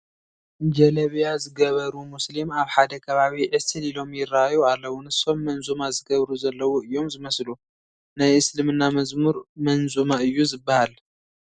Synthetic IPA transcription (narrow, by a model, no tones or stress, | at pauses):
d͡ʒɐlɐβjazɨɡɐβɐɾumʊslimaβħad̪ɐkʰɐβaβiʕɨsɨlilo̞mjɪrajualːɐwunɨso̞mːɐnzʼumazɨɡɐβɾuzɐlːɐwuɨjːo̞mzɨmɐslu | najʔɨslɨmɨnːamɐzmuɾmɐnzʼumaɨjːuzɨbːahal